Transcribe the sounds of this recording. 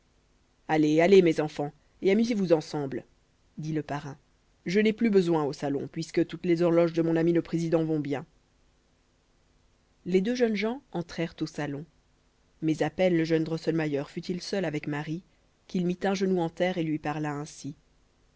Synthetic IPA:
alealemɛzɑ̃fɑ̃ | eamyzevuzɑ̃sɑ̃bl | d̪iləpaʁɛ̃ | ʒənɛplybəzwɛ̃osalɔ̰̃pɥiskət̪ut̪lɛzɔʁlɔʒd̪əmɔ̃namiləpχezid̪ɑ̃vɔ̃bjɛ̃ | led̪øʒənʒɑ̃ɑ̃t̪χɛʁt̪osalɔ̃ | mɛzapɛnləʒœnd̪ʁɔsɔlmajœʁfyt̪ilsœlavɛkmaʁi | kʲilmit̪ɛ̃ʒənuɑ̃t̪ɛʁelɥipaʁlaɛ̃si

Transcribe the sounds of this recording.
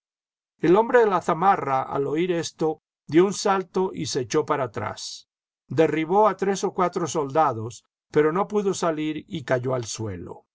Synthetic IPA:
elo̞mbɾeðelaθamaraʔa̰lo̞iɾe̞st̪o̞ | d̪jo̞unsalt̪o̞ʔiseːt͡ʃo̞paɾat̪ɾa̰s | d̪e̞riβo̞at̪ɾe̞so̞kwat̪ɾoso̞ld̪aðo̞s | pe̞ɾo̞no̞puðo̞saliɾikaʝo̞alswe̞̰lo̞̰

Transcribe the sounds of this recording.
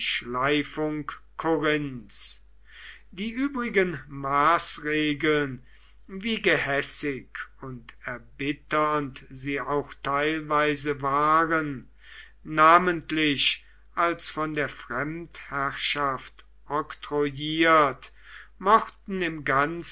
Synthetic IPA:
ʃlaɪfʊŋkkʰoʁɪnt͡s | d̥iːʔyːbʁɪɡənmaːsʁeːɡəln | viːɡəhɛsɪkʰʊntɛɐbɪtɐntziːaʊxtʰaɪlvaɪzəvaːʁənː | aːməntlɪʃ | ʔalsfɔndeːɐfʁ̥ɛmthæʁʃaft | ʔɔktʁojiːɐt | mɔχtn̩ɪmɡans

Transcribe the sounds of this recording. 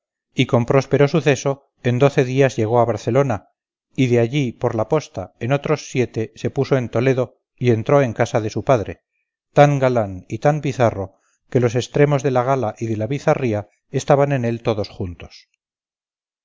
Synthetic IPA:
iko̞mpɾo̞spe̞ɾo̞suθe̞so̞ | e̞nd̪o̞θe̞ðiazʝe̞ɣ̞o̞aβaɾθe̞lo̞na | iðe̞aʎipo̞ɾlapo̞st̪aeno̞t̪ɾo̞sːje̞t̪e̞se̞puso̞e̞nt̪o̞le̞ðo̞ | ie̞nt̪ɾo̞e̞ŋkasaðe̞supaðɾe̞̰ | t̪aŋɡalanit̪ambiθaro̞ | ke̞lo̞se̞st̪ɾe̞mo̞zðe̞laɣ̞alaʔiðe̞laβiθaria | est̪aβane̞ne̞lt̪o̞ðo̞sxunt̪o̞̥s

